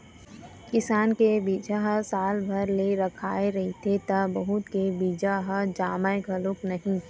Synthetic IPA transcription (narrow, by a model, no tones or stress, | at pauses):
kɪsaːnkebiːd͡ʒaɦasaːlbʱɐɾleɾɐkʰaːeɾɐɦit̪ʰet̪ɐbɐɦʊt̪kebiːd͡ʒaɦad͡ʒaːmaeɡʱɐlʊknɐɦĩ